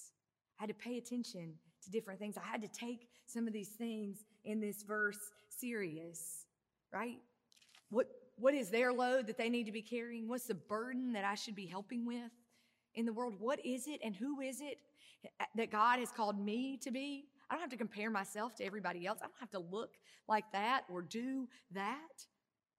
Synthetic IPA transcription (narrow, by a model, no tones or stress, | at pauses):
aɪhɨd̚tʰɨpʰeɪɨtʰɛ̃nʃɨ̃ntʰɨdɪfɹɨ̃nθɪ̃ŋzaɪɨd̚tɨtʰeɪksʌ̃mʌvðiz̥θɪ̃ŋz | ʔɨ̃nðɪsvɜ˞sː | ɪɹiɨs | ɹʔaɪt̚ | wʌt̚wʌɾɪzðə˞loʊd̪̚ðɨt̪̚ðeɪnid̚tɨbikʰɛɹiɪ̃ŋwʌtsðɨbɜ˞dⁿn̩ðɨɾaɪʃɨd̚biɦɛlˠpɪ̃ŋwɪð | ʔɨ̃nðəwɜ˞lˠd̚wʌɾɪzɪɾɨ̃nɦuɪzɪt̪̚ | ðɨt̚ɡ̥ɑd̚ɨz̥kʰɔlˠd̚miɾɨbiaɪdõʊ̃nhaftɨkɨ̃m̩pʰɛɹmaɪsɛlˠftʰɨɛvɹibɑɾiɛlˠsaɪdõʊ̃nthæftəlʊklʔaɪk̚ðæɾə˞dɨðæt̚